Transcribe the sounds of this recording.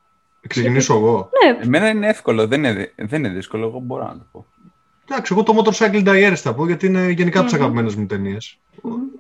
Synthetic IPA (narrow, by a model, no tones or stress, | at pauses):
kseciniso̞eɣo̞nemenɐineefko̞loðenineðenineðiskoloeɣobo̞ɾɐ̰nɐ̰t̪opo | d̪ɐksie̞ɣo̞t̪o̞mot̪oɾsɐkild̪ɐieɾesθɐpoʝɐt̪iine̞ʝe̞nikɐt̪isɐɣɐpime̞nezmut̪e̞nies